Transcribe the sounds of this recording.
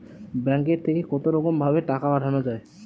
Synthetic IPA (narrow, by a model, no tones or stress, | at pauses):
bɛŋkeɾt̪ʰekekɔt̪oɾɔkombʱabeʈakabaʈanod͡ʑae